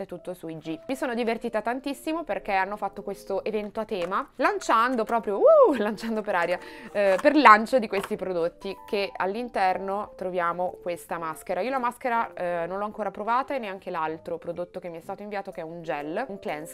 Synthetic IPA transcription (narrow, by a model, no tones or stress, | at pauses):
et̪ːut̪ːosuid͡ʒimisoːnod̪ivert̪iːt̪at̪ant̪isːimoperk̟eanːofat̪ːokwest̪oʔevɛnt̪oat̪ɛːmalant͡ʃand̪opɾɔːpɾjoulant͡ʃand̪opeɾaːɾjaperlant͡ʃod̪ikwest̪ipɾod̪ot̪ːikea̰lːint̪ɛrnot̪ɾovjaːmokwest̪amaskeɾaiːolamaskeɾanonlɔaŋkoːɾapɾovaːt̪aenːeaŋk̟elalt̪ɾopɾod̪ot̪ːokemːiɛst̪aːt̪oiɱviaːt̪okɛund͡ʒɛlːuŋklɛns